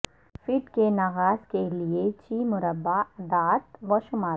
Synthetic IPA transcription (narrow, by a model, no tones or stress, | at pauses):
fɪːʈkenɐɣaːzkeliet͡ʃiːmʊɾəbːad̪aːt̪ʋɐʃʊmaː